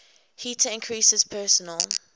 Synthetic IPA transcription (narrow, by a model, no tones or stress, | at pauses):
hiːtʰəɪ̃nkʰɹisɪz̥pʰɜːˑsənəlˠ